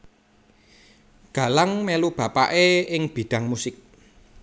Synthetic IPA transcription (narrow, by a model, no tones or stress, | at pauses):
ɡ̥ä̤laŋmelub̥ä̤pa̰ʔeɪŋb̥i̤ɖ̥a̤ŋmusɪk̚